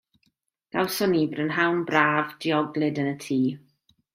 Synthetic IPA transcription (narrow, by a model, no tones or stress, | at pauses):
ɡ̥awsɔnibrənɦawnbraːvdiɔɡlɨdənətʰiː